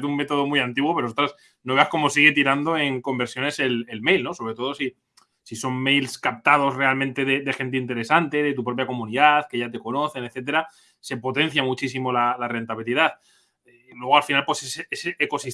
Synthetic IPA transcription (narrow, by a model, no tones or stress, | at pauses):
t̪umme̞t̪o̞ð̞o̞mujant̪iɣwo̞peɾsot̪ɾas | no̞βeasko̞mo̞siɣ̞e̞t̪iɾand̪o̞e̞ŋko̞mbe̞ɾsjo̞ne̞se̞lelmejlno̞so̞βɾe̞t̪o̞ð̞o̞si | siso̞mmejlskap̚t̪að̞o̞zrealmẽnt̪e̞ðe̞ðexe̞nt̪̬eint̪e̞ɾe̞sant̪e̞ðe̞t̪upɾo̞pjakomũniðaðke̞ʝat̪e̞ko̞no̞θe̞neθe̞t̪̬e̞ɾa | se̞po̞t̪ẽ̞n̟θjamut͡ʃisimo̞lalare̞nt̪aβ̞iliðaθ | lwe̞ɣalfinalpwe̞seseeseʔːko̞sis